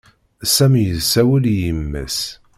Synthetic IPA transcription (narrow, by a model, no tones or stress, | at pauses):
sæmjəðsːæwəljəmːæ̰s